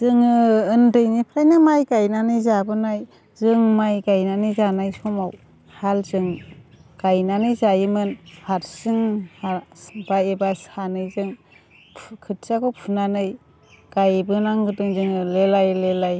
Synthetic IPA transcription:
z̥ɯŋɯɯndɯjnipʰɾajnɯmajɡajnanɯjzabɯnaj | zɯŋmajɡajnanɯjzanajsɔmaw | halzɯŋɡ̥ajnanɯjzajimɯnpʰaɾsɯŋhab̥aebasanɯjzɯŋ | pʰkʰɯt̚sakɔpʰunanɯj | ɡ̥ajbɯnaŋɡɯdɯŋzɯŋɯlelajlelaj

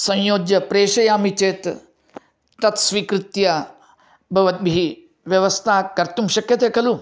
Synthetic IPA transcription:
sɐ̃jjoːd͡ʒjɐpɾeːʃɐjaːmit͡ʃeːt̪ | ɐt̪sʋiːkɾɪt̪jɐ | bʱɐʋɐt̪̚bʱii | ʋjɐʋɐst̪ʰaːkɐɾt̪umʃɐkjɐt̪eːkɐlu

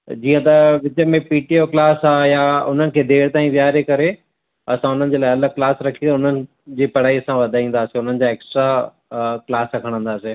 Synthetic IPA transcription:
d͡ʑiːə̃t̪ɐʋɪt͡ɕəmẽpiːʈioklaːsaːjaʊn̤ənɪ̆kʰeːd̪eːɽt̪aːĩʋjaːɾekɐɾe | ɐsãʊn̤ənɪ̆d͡ʑeːlaːɪɐləklaːsɾɐkʰit̪ʊnənɪ̆ | d͡ʑiːpɐɽ̤aːiɐsãʋɐd̪ʱaːĩːn̆d̪aːsiʊn̤ənɪ̆d͡ʑaːeːksʈɾa | klaːsɾɐkʰəɽ̃ə̃nd̪aːse

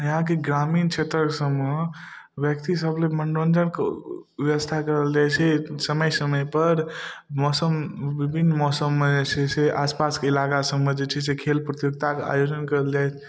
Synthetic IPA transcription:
ɦãkeɡɾamint͡ʃʰet̪ɾəkesəmːe | ʋjək̚t̪isəbleməɳɖond͡ʒənke | ʋjeʋəst̪ʰakəɾəld͡ʒajt͡ʃʰɛsəməjsəməjpəɾmɔsəmbibʱinːmɔsəmːesʰeseʔaspaskeilakasəmːəd͡ʒet͡ʃʰɛsekʰelpɾət̪juk̚t̪akea̰jod͡ʒənkəɾəld͡ʒajt͡ʃʰ

